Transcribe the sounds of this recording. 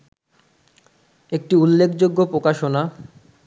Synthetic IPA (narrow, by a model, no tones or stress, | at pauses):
ek̚ʈiulːekʰd͡ʑoɡːopɾokaʃona